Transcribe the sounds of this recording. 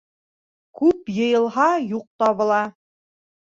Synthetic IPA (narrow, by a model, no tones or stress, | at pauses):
kʉpjɤ̆jɤ̆lˠɦɑjuq̚t̪ɑβɤ̆lˠɑ